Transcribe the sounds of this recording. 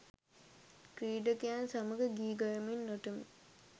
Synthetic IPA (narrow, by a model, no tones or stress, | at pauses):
kɾiːɖəkijansaməɡəɡiːɡɐjəmenːoʈəmḭ